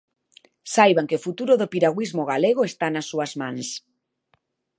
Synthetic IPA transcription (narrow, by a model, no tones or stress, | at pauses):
sajβaŋkeofut̪uɾoðopiɾaɣwizmoɣaleɣ̞oest̪anasːuɐzmãŋs